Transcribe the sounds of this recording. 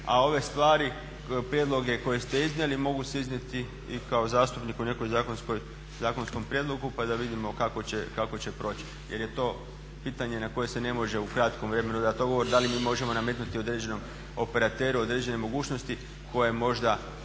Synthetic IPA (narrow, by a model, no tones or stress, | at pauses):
a̰o̞ʋe̞st̪ʋaːɾi | pɾjed̪lˠo̞ɡe̞ko̞jest̪e̞iznʲjelimo̞ɡuse̞iznʲje̞t̪i | ikao̞zaːst̪upnikune̞ko̞jzaːkonsko̞j | zaːko̞nsko̞mpɾjed̪lˠo̞ɡupad̪aʋid̪imo̞kakot͡ɕekako̞t͡ɕepɾo̞ːt͡ɕi̥ | je̞ɾje̞t̪o̞ː | piːt̪aɲe̞nako̞je̞se̞ne̞mo̞ʒe̞ukɾat̪komʋɾe̞me̞nud̪at̪oɡo̞ʋo̞ɾd̪alimiːmo̞ʒe̞mo̞name̞t̪nut̪io̞d̪ɾed͡ʑe̞no̞m | o̞pe̞ɾat̪e̞ːɾuo̞d̪ɾed͡ʑe̞ne̞mo̞ɡuːt͡ʃno̞st̪i | ko̞jemo̞ʒd̪a